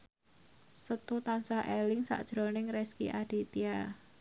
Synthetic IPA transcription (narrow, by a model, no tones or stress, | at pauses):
sət̪ut̪ansaʔelɪŋsa̰ʔd̥ʒ̥ɾonɪŋɾɛskḭʔaɖ̥i̤t̪ia